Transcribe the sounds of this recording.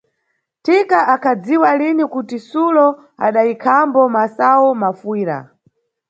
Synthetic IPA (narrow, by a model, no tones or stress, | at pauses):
tikaʔakʰad͡ziwalinikutisulɔ | a̰ɗaikʰambɔmasawɔmafuiːɾa̰